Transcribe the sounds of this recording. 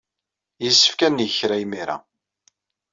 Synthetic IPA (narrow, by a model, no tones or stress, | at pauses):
jəsːə̥fkænːjəçɾæjmiɾa̰